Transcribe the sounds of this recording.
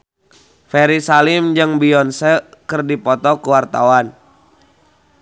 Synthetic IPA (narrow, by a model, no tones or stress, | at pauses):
fɛɾisalimd͡ʒɨŋbiɔnsəkɨrdipɔt̪ɔkuwart̪awan